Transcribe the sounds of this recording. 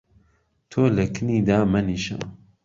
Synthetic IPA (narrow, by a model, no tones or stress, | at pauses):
t̪ʰoːlɐkʰɨniːd̪aːmɐniʃa̰